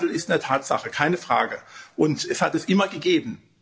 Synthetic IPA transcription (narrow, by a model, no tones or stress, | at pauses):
l̩ɪstndːɐtʰaːtz̥a̰χəkʰaɪnəfʁ̥a̰ːɡəʔʊntɛshatɛsʔɪmɐɡəɡeːbn̩